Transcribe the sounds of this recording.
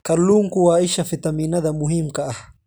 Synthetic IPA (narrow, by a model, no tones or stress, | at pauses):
kaɾluːmkuwaɪʃafit̪aminaðamʊɦimkaʔah